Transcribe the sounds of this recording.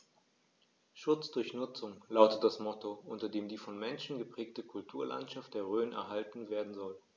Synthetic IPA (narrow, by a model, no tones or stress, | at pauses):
ʃʊt͡sd̥ʊɐçnʊt͡sʊŋlaʊtət̚d̥asmɔtoʔʊntɐdeːmdiːfɔnmɛnʃn̩ɡəpʁ̥ɛːk̚təkʰʊltʰuːɐla̰ntʃaft̚d̥eːɐʁøːnɛ̰ɐɦaltn̩veːɐdn̩zɔl